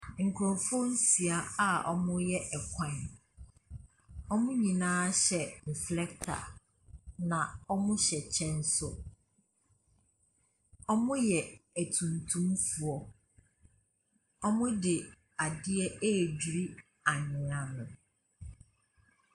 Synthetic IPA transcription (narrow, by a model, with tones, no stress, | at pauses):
ŋ̩˨kʰɾɔ̃˨fɔ˦n̩˦si˨a˦a˨ʔɔ̰˦mʊ̃˦jɛ˦ʔɛ˨kʷʰã˦˨n | ɔ˦mʊ̃˦ɲĩ˨nãː˦ɕɛ˨n̩˨flɛ˦k̚tʰa̰˨ | nã˨ɔ˦mʊ̃˦ɕɛ˨t͡ɕʰɛ̃˦n̩˦sʊ˦ | ɔ˦mʊ̃˦jɛ˨æ˨tʰũ˨ntʰũ˦mfu˨ɔ˨ | ɔ˦mʊ̃˦dɪ˨ | a˨dɪ˦ɛ˦ʔe˦˨d͡ʑɾi˦ | a˨ɲɪ̃˨ã˨nʊ̃˨